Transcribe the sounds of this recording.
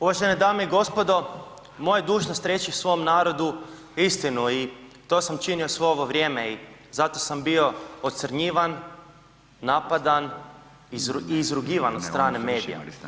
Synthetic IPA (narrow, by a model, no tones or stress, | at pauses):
uʋaʒened̪aːmeiɡo̞spo̞d̪o̞ | mojad̪uːʒnost̪ɾjeːt͡ʃiwsʋo̞mnaːɾo̞d̪u | ist̪inuit̪o̞ːsamt͡ʃiniosʋeoʋoʋɾʲje̞ːmeizat̪o̞sambio̞ot̪səɾɲiːʋanː | apad̪an | iiːzɾuɡiːʋanot̪st̪ɾaːne̞me̞ːd̪ḭja̰